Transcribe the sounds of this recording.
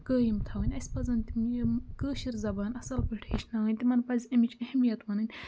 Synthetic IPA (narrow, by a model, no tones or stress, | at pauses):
kəːjimt̪ʰɐʋɐnʲɐsʲpɐzɐnʲt̪imkəːʃiɾzɐbaːnɐsɐlpɐʈʰeːʃnɐwɐnʲt̪imɐnpɐzʲɐmit͡ʃʰɐhmijɐt̪ʋɐːnɐnʲ